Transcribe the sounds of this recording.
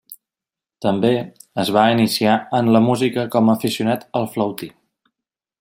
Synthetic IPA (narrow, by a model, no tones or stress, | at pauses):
t̪əmbe | əzβ̞ainisiaənləmuzikəkɔməːfisiunat̪əlˠfləwt̪i